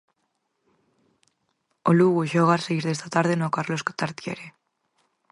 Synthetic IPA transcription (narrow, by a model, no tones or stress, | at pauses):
oluɣuʃoɣarsejɾðest̪at̪aɾðenokarlosko̥t̪aɾt̪iḛɾe̞